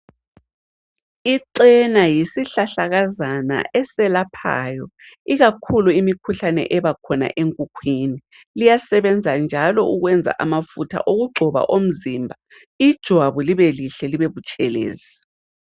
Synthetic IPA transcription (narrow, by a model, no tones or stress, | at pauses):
iǀɛnajisiɬaɬaɣazana̰ʔɛsɛlapʰa̰jɔ | iɣakʰuluimikʰuɬanɛ̰ʔɛβakʰɔna̰ʔeŋkʼukʰwini | lijasɛβɛnd͡zʱand͡ʒʱalɔuɣwɛnd͡zʱa̰ʔamafutʰa̰ʔoɣuɡ͡ǃʱɔβa̰ʔom̩zimbʱa | id̥ʒ̥ʱwaβuliβeliɬɛliβeβut͡ʃʼɛlḛːzi